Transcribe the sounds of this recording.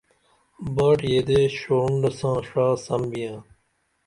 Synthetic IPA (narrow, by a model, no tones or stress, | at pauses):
baːʈjeːd̪eːɕoːɳɖɐsãːʂaːsɐmbijãː